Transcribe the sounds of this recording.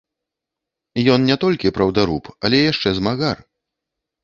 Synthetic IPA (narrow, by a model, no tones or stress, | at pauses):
jɔnnʲɛt̪ɔlʲkʲipɾɐwd̪aɾupɐlʲɛjaʂt͡ʂɛzmaɣar